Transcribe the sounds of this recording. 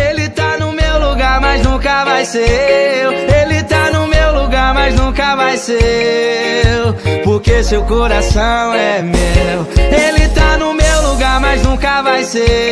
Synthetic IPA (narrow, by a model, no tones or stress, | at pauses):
elɪt̪anʊmewluɡaɾmɐjznũkɐvajsewelɪt̪anʊmewluɡaɾmɐznũkɐvajse | poɾkesewkoɾasɐ̃w̃ɛmewelɪt̪anʊmewluɡaɾmɐznũkɐvajse